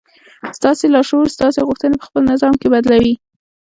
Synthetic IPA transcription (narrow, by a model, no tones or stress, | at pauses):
st̪ɑselɑʃost̪ɑseɣʊxt̪ənepə̥xpəlnɪzɑmkebad̪lawi